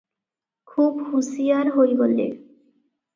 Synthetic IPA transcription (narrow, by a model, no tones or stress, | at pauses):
kʰubhusijaɾɦojɡolːḛ